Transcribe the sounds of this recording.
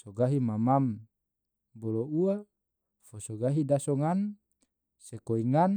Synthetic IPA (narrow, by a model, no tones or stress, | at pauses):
soɡaɦimamam | boloua | fosoɡaɦidasɔŋan | sekoiŋan